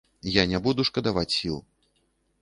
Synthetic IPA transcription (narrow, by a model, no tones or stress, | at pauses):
janʲabud̪uʂkɐd̪avat͡sʲsʲilˠ